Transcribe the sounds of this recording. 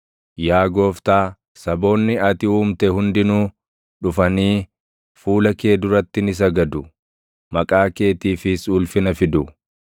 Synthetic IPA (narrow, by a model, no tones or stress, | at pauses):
jaːɡo̞ːft̪aː | sɐbo̞ːnːɪɐt̪ɪuːmt̪ɛhʊnd̪ɪnuː | ᶑʊfɐniː | fuːlɐke̞ːd̪ʊɾɐt̪ːɪnɪs̬ɐɡɐd̪ʊ | mɐkʼaːke̞ːt̪iːfɪsuːlfɪnɐfɪd̪ʊ